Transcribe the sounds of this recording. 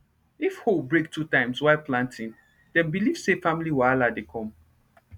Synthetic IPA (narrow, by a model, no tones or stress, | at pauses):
ifholbɹek̚tʰutãɪ̃mswaɪlplãntʰĩn | dɛ̃nbiliv̥sefamiliwaaladekʰɔ̃m